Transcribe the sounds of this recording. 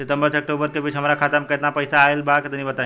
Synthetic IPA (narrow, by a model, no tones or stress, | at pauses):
set̪əmbəɾseək̚ʈobəɾkebiːt͡ʃʰɦəmɾakʰat̪əmkət̪napəjsaːelbaket̪nibət̪ã